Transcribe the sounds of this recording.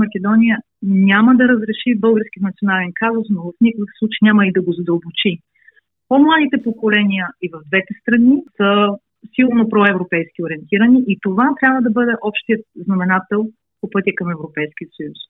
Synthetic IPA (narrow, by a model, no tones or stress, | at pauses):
mɐk̟ʲɛd̪ɔnʲijə | nʲaməd̪ɐɾəzɾɛʃibɤlˠɡəɾsk̟ʲiət̪nət̪sionalɛnkazosnovɐfnʲikəkslˠut͡ʃɛjnʲaməid̪ɐɡozɐd̪əlˠbot͡ʃi | pomlˠad̪it̪ɛpokolɛnijəivɐvd̪vɛt̪ɛst̪ɾɐnisə | silˠnopɾɔɛvɾopɛjskʲioɾiɛnt̪iɾəniʔit̪ovat̪ɾʲabvəd̪ɐbɤd̪ɛʔɔpʃt̪ijət̪̚znɐmɛnat̪ɛlˠ | popɤt̪ʲəkɐmɛvɾopɛjskʲiət̪sɐjus